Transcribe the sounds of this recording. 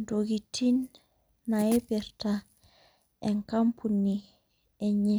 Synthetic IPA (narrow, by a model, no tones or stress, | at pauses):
doɡitʰinː | aebeɾta | eŋkampuni | eɲe